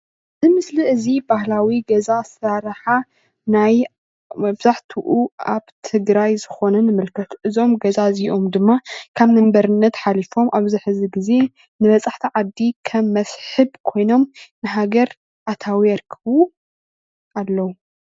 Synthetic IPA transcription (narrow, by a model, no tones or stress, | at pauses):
zɨmɨsliɨzibahlawiɡɐzasɾaɾħa | naj | mɐbz̥aħt̪ʰuʔuaβt̪ʰɨɡɾajzɨxo̞nɐnɨmɨlkʰɐt̪ʔɨzo̞mɡɐzaziʔo̞md̪ɨmːakʰaβnɨmbɐɾɨnːɐt̪ħalifo̞mʔaβzɨħɨziɡize̞ | nɨβɐt͡sʼaħt̪ʰiʕad̪ːikʰɐmːɐsħɨbkʰo̞jno̞mnɨɦaɡɐɾ | ʔat̪ʰawiɐɾkʰɨβu | ʔalːɐwu